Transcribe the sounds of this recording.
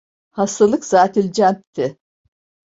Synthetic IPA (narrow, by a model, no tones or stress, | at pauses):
hast̪ʰalˠɯkz̥aːt̪ʰilʲd͡ʒænt̪ʰːɪ